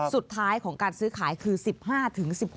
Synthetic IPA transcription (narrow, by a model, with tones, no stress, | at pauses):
su˨˩t̪ʰːaː˦˥jkʰɔː˩˦ŋkaː˧nsɯː˦˥kʰaː˩˦jkʰɯː˧si˨˩p̚haː˥˩t̪ʰɯ˩˦ŋsi˨˩p̚h